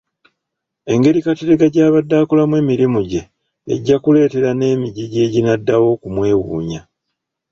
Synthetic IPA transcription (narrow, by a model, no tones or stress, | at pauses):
e̞ŋɡe̞ɾikateɾeɡaɟaːβadːaːkolamwe̞ːmiɾimuɟe̞̰ː | ɟːakule̞ːte̞ɾane̞ːmiɟiɟe̞ːɟinadːawo̞kumwe̞ːwuːɲa